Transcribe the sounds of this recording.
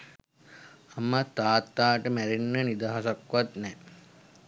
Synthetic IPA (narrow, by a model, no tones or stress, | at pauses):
amət̪aːt̪ːaːʈəmæɾinːənid̪aːɦasakʋat̪nɛ